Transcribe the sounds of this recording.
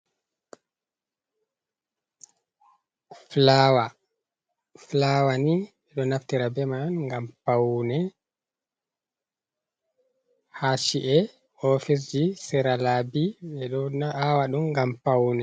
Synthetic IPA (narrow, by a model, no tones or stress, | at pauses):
flawa | flawani | ɛɗɔnaftiɾabɛmanŋɡampawnɛ | haʃiʔɛ | ɔfis̬d͡ʒisɛɾalabiɛɗɔawaɗumɡampawnɛ